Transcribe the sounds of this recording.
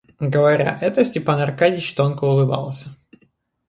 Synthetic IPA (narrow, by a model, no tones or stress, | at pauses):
ɡəvɐɾʲa̰ʔɛt̪əsʲtʲɪpanɐrkadʲɪt͡ɕt̪onkəʊlˠɨbɑ̰lˠsʲə̥